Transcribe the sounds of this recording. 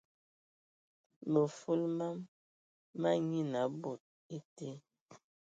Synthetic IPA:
mə˨fu˦lma˦mː | a˦ɲi˦na˨˦bo˨t̚ | i˦te˦

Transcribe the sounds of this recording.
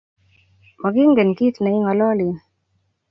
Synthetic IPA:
mɔ˨ɡi˦ŋɡe˨nki˦t̪na˨i˦ŋɔ˨lɔ˦li˨

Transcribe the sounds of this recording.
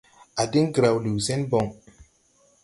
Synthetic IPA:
a˨di˦ŋɡɾa˨wlu˨sɛ̃˦nbɔ˨ŋ

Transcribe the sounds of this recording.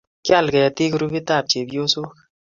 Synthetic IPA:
kja˦˨lkɛ˨ja˨t̪i˦kɾu˦bi˦t̪a˦˨p̚t͡ʃe˨bjo˦so˦

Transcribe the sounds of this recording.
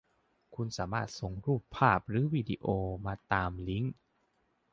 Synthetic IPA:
kʰu˧nsaː˩˦maː˥˩t̪̚so˧˩ŋɾuː˥˩pʰːaː˥˩p̚ɾɯː˩˦wiː˧di˧ʔoː˧maː˧t̪aː˧mli˦˥ŋ

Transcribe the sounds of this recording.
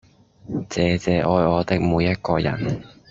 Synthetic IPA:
t͡sɛː˨˧t͡sɛː˨˧ʔɔː˧jɔː˨˧t̪ɪ˥k̚muː˨˧jːɐ˥t̚kɔː˧jɐ̰˨˩n

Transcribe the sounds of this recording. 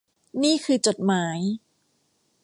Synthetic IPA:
niː˥˩kʰɯː˧t͡ɕo˨˩t̪̚maː˦˥j

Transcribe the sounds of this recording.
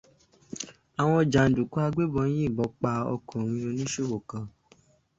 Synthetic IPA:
a˨w̃ɔ̃˧d͡ʒa˨n̩˨du˨ku˦a˧ɡ͡be˦bɔ˧˦j̃ĩ˦i˦˨bɔ˨˦k͡pa˧ɔ̰˧kɔ̃˨ɾ̃ĩ˧ɾo˧nĩ˦ʃo˦˨wo˨kã˧

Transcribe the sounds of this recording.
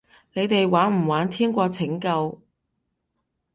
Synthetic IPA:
ne˨˧jt̪e˨jwaː˨˥nm̩˨˩waː˨˥nt̪ʰiː˥ŋkʷɔː˧t͡sʰɪ˨˥ŋkɐ˧w

